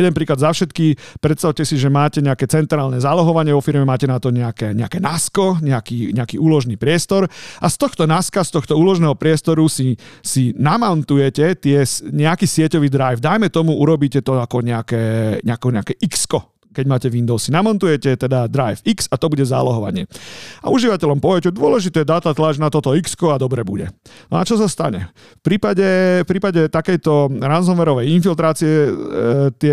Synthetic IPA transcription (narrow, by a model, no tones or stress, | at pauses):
jɛd̪ɛnpɾiːklad̪zafʃɛt̪kipɾɛt̪st̪aʊcɛsiʒɛmaːcɛɲɛakɛːt͡sɛnt̪ɾaːlnɛzaːlɔɦɔʋaɲɪɛʋɔfiɾmɛmaːcɛnat̪ɔɲɛakɛːɲɛakɛːnaskɔɲɛakiːɲɛakiːuːlɔʒniːpɾɪɛst̪ɔɾʔast̪ɔxt̪ɔnaskast̪ɔxt̪ɔuːlɔʒnɛːɦɔpɾɪɛst̪ɔɾusi | sinamɔnt̪ujɛcɛt̪ɪɛsɲɛakiːsɪɛcɔʋiːd̪ɾajvd̪ajmɛt̪ɔmuuɾɔbiːcɛt̪ɔakɔɲɛakɛːɲɛakɛɲɛakɛːʔikskɔ | kɛɟmaːcɛʋind̪ɔʊsːinamɔnt̪ujɛcɛt̪ɛd̪ad̪ɾajfiksat̪ɔbuɟɛza̰ːlɔɦɔʋa̰ɲɪɛ̰a̰uʒiʋacɛʎɔmpɔʋɛcɛd̪ʊɔlɛʒit̪ɛd̪aːt̪at̪lad͡ʒnat̪ɔt̪ɔikskɔad̪ɔbɾɛbṵɟɛ̰nɔat͡ʃɔs̬ast̪a̰ɲɛ̰ | fpɾiːpaɟɛfpɾiːpaɟɛt̪akɛjt̪ɔɾanzɔnʋɛɾɔʋɛjinfilt̪ɾaːt͡siɛ | t̪ɪɛ